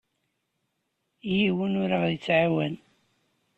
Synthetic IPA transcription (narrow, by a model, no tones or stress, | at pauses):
jiwənʊɾaʁðət͡sːʕawæn